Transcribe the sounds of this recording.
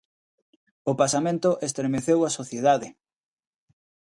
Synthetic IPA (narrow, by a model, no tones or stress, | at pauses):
opasamẽnt̪oʔest̪ɾemeθewasoθjeðaðe